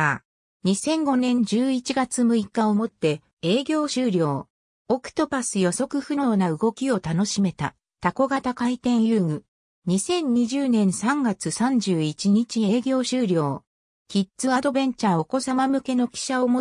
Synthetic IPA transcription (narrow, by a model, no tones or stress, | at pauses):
ɲ̟isẽ̞ŋɡo̞nẽ̞ɲ̟d͡ʑɨːit͡ɕiɡat͡sɨmɯ̟ikːaomo̞t̪ːe̞ | e̞ːɡʲo̞ːɕɨːɾʲo̞ː | okɯ̟̥t̪o̞pasɨjo̞so̞kɯ̟ɸɯ̟no̞ːnaɯ̟ɡo̞kʲio̞t̪ano̞ɕime̞t̪a̰ | t̪ako̞ɡat̪akait̪ẽ̞ɰ̃jɯːŋɯ̟ | ɲ̟isẽ̞ɲ̟ɲiʑɨːnẽ̞ɰ̃sãŋɡat͡sɨsãɲ̟d͡ʑɨːit͡ɕiɲ̟it͡ɕie̞ːɡʲo̞ːɕɨːɾʲo̞ː | kʲitt͡sɨad̪o̞bẽ̞ɲ̟t͡ɕaːo̞ko̞samamɯ̟ke̞no̞kʲi̥ɕaomo